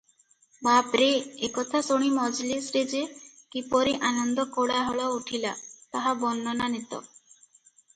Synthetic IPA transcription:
bapɾeekɔt̪ʰasoɽ̃imɔd͡ʒlisɾed͡ʒekipɔɾiʔanɔnd̪ɔkoɽaɦɔɭɔuʈʰila̰t̪aɦabɔnːɔnanit̪ɔ̰

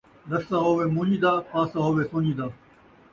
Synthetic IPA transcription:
lɐssãːɦoːʋeːmũːɲĩːd̪aːpaːsaːɦoːʋeːsõːɲĩːd̪aː

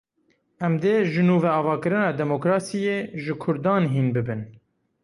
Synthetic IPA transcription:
ʔɛmd̪eːʒɨnuːvɛɑːvɑːkɨɾɨnɑːd̪ɛmokɾɑːsijeːʒɨkʰʊɾd̪ɑːnɦiːnbɨbɨn

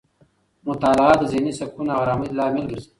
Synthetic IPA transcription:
mʊt̪aːlʁaːt̪ɐzinisɐb̚kunaɣɾaːmilaːmɪlɡəɾzi

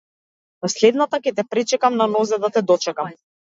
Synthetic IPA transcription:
aslɛd̪nat̪akɛt̪ɛpɾɛt͡ʃɛkamnanɔzɛd̪at̪ɛd̪ɔt͡ʃɛkam

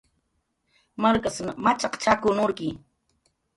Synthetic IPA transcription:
maɾkasmat͡ʃɑqt͡ʃakʊnʊɾkɪ

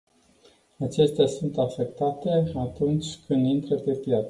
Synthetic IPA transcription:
at͡ʃe̞st̪easunt̪afe̞k̚t̪at̪e̞at̪unt͡ʃʲkʰɨnd̪int̪ɾəpe̞pjat̪s

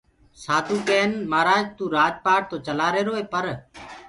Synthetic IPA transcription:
saːt̪uːkeːnmaːɾaːd͡ʒt̪ũːɾaːd͡ʒpaːʈ̚t̪oːt͡ʃəlaːɾeːɾoːeːpəɾ

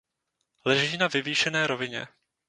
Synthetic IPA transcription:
lɛʒiːnavɪviːʃɛnɛːɾo̞vɪɲɛ̰

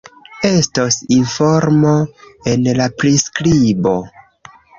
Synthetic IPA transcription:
e̞stosinfo̞ɾmoenlapɾiskɾibo̞

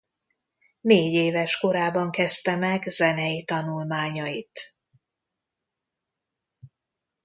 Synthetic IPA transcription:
neːɟeːvɛʃko̞ɾaːbɒŋkɛst̪ɛmɛɡzɛnɛjit̪ɒnulmaːɲɒjit̪

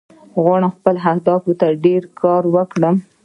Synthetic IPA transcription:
ɣwɑɽaxpəlɦahd̪ɑfut̪aɖeɾkʰɑɾwəkɽəm

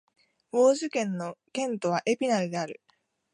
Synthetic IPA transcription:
bo̞ːʑɨkẽ̞nːo̞kẽ̞nt̪o̞βaʔe̞pʲinaɾɯ̟d̪e̞aɾɯ̟

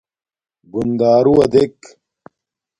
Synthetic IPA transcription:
ɡund̪aːɾuɐd̪ek

